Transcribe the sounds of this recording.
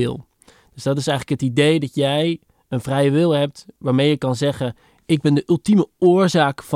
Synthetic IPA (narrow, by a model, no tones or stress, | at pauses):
ɪ̰lˠ | dd̥øzdɑtɪsɛjχləkɦətidejdɑtjɛj | ənvrɛjəʋɪlˠɦɛp̚tʋaːɹmejəkɑnzɛχə | ɪɡ̚bɛndəʔʏlˠtiməʊːɹzaːkf